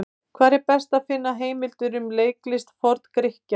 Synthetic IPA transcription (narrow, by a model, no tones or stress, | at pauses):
kʰvaːɾɛɾpɛst̪aðfɪnːaɦeːjmɪlt̪ʏɾʏmleːjklɪst̪fɔɾt̪kɾɪhca